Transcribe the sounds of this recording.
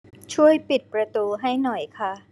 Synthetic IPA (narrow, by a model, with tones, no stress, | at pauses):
t͡ɕʰu˥˩əjpi˨˩t̪̚pɾa˧t̪uː˧ɦa˥˩jnɔ˨˩jkʰa˥˩